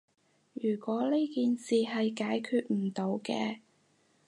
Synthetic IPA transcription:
jyː˨˩kʷɔː˨˥li˥jkiː˨nsiː˨ɦɐ˨jkaː˨˥jkʰyː˧t̚m̩˨˩t̪o˨˧wkɛ̰ː˧

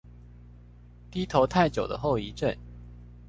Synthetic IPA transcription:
t̪i˥t̪ʰo˧˥ʊt̪ʰa˥˩ɪt͡ɕjo˨˩ʊd̪ə̰˦xo˥˩ʊi˧˥ʈ͡ʂə˥˩n

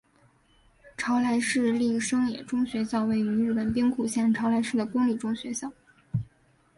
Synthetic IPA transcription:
ʈ͡ʂʰɑ˧˥ʊlʰa˧˥ɪʂɻ̩˥˧li˥˩ʂɤ˥ŋjɛ˨˩ʈ͡ʂʊ˥ŋɕɥɛ˧˥ɕjɑ˥˧ʊwe˥˩ɪy˧˥ɻ̩˥˩pə˨˩npi˥ŋkʰu˨˩ɕjɛ˥˩nʈ͡ʂʰɑ˧˥ʊlʰa˧˥ɪʂɻ̩˥˩d̪ə˩kʊ˥ŋli˨˩ʈ͡ʂʊ˥ŋɕɥɛ˧˥ɕjɑ˥˩ʊ

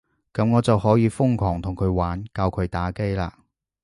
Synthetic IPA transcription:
kɐ˨˥mŋɔː˨˧t͡sɐ˨whɔː˨˥jiː˨˧fʊ˥ŋkʰɔː˨˩ŋt̪ʰʊ˨˩ŋkʰɵ˨˧ɥwaː˨˥nkaː˧wkʰɵ˨˧ɥt̪aː˨˥ke˥jla̰ː˧

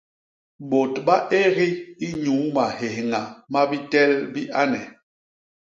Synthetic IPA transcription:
bo˨tɓa˦ʔe˦ɣi˦i˦ɲuː˨˦ma˨he˨hŋa˨ma˦bi˦tɛ˦lbi˦ʔa˦nɛ˨

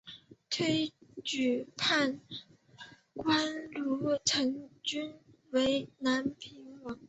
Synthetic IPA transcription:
t̪ʰwe˥ɪt͡ɕy˨˩pʰa˥˩n | kwa˥nlu˧˥ʈ͡ʂʰɤ˧˥ŋt͡ɕy˥n | we˧˥ɪna˧˥npʰi˧˥ŋwɑ˧˥ŋ

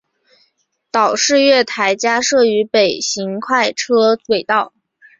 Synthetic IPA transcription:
t̪ɑ˨˩ʊʂɻ̩˥˧ɥɛ˥˩t̪ʰa˧˥ɪt͡ɕja˥ʂɤ˥˩y˧˥pe˨˩ɪɕi˧˥ŋkʰwa˥˩ɪʈ͡ʂʰɤ˥we˨˩ɪt̪ɑ˥˩ʊ

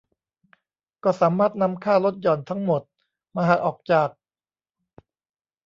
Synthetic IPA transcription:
kɔː˥˩saː˩˦maː˥˩t̪̚na˧mkʰaː˥˩lo˦˥t̪̚jɔː˨˩nt̪ʰa˦˥ŋmo˨˩t̪̚ | maː˧ɦa˨˩ʔɔː˨˩k̚t͡ɕaː˨˩k̚

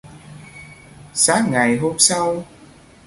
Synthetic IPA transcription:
saː˦˥ŋ̚ŋa˨˩jɦo˧msa˧w

